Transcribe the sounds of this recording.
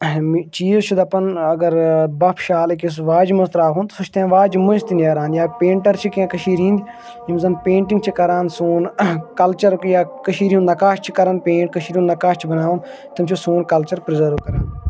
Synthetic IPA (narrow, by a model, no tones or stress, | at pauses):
mt͡ʃiːzt͡ʃʰud̪ɐpɐnɐɡɐɾbɐpʰʃaːlekis̬ʋaːd͡ʒmɐzt̪ɾaːɦʰũnt̪sɐt͡ʃʰt̪ãːʋaːd͡ʒmunst̪ineːɾaːnjaːpẽːɳʈɐɾt͡ʃʰikãːkɐʃiːɾĩnd̪ʲi | imzɐnpẽːɳʈĩŋɡ̚t͡ʃʰikɐɾaːnsuːnkɐlt͡ʃɐɾjaːkɐʃiːɾiũnnɐkaːʃt͡ʃʰi̥kɐɾɐnpẽːɳʈkɐʃiːɾiũːnnɐkaːʃt͡ʃʰibɐnaːʋũn | t̪ɐmt͡ʃʰusuːnkɐlt͡ʃɐɾpɾizɐɾʋkɐɾaːn